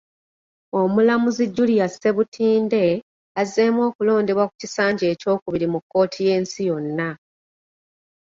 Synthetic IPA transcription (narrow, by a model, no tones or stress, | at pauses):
o̞mulamuziɟːulijasːe̞βutʰiːnde̞ | azeːmwo̞ːkulo̞ːnde̞βwaku̥cisaːɲɟe̞ːco̞ːkuβiɾimukːo̞ːtʰije̞ːnsijo̞nːa